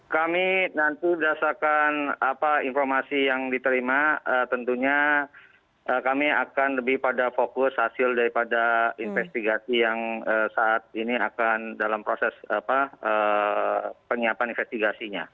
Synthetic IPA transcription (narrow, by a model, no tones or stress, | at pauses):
kaminant̪ibəɾasakanapainformasijaŋdit̪əɾimaət̪ənt̪uɲa | ʔəkamiakanləbɪhpadafokʊshasɪldaɾipadainfɛst̪iɡasijaŋəsaʔat̪̚iniakandalampɾosɛsapaə | pəŋiapaninfɛst̪iɡasiɲa̰